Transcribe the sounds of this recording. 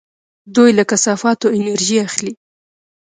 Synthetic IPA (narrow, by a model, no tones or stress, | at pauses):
d̪ujlakasɑfɑt̪oɪnaɾʒiaxli